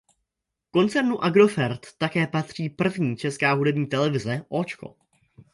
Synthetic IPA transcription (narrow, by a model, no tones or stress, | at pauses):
ko̞nt͡sɛɾnuʔaɡɾo̞fɛɾt̪ːakɛːpat̪r̝̥iːpr̩vɲiːt͡ʃɛskaːɦudɛbɲiːt̪ɛlɛvɪzɛʔoːt͡ʃko̞̰